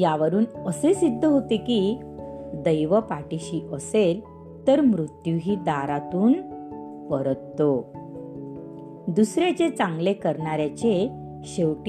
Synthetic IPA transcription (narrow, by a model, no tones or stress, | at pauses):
jaʋəɾuːnəsesid̪ʱːəɦot̪eki | d̪əjʋəpaʈiɕiːʔəsel | t̪əɾmɾut̪juɦiːd̪aɾat̪uːn | pəɾət̪ːo | d̪usɾjat͡ɕet͡sãŋɡlekəɾɳaɾjat͡ɕe | ɕewʈ